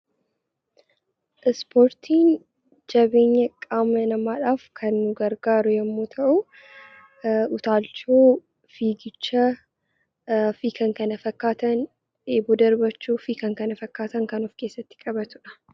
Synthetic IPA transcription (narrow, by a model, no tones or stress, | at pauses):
ʔɪspʰoːɾt̪ʰiːn | d͡ʒɐbe̞ːɲːɐkʼaːmɐnɐmaːᶑaːfkʰɐnːʊɡɐɾɡaːɾʊjɛmːoːt̪ʰɐʔʊ | ʊt̪aːlt͡ʃoː | fiːɡɪt͡ʃːɐ | fikɐŋkɐnɐfɐkːaːt̪ɐn | eːbɔd̪ɐɾbɐt͡ʃːuːfikɐŋkɐnɐfɐkːaːt̪ɐŋkɐnɔfke̞ːsːɐt̪ːɪ̥kʼɐbɐt̪ʊᶑɐ̥